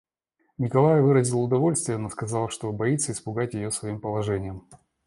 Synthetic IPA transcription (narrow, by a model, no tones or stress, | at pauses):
nʲɪkɐlˠajvɨɾəzʲɪlˠʊd̪ɐvo̞lʲst̪vʲɪjənoskɐzɑlˠʂt̪o̞bɐit̪səɪspʊɡatʲjɪjosvɐimpəlˠɐʐɛnʲɪjəm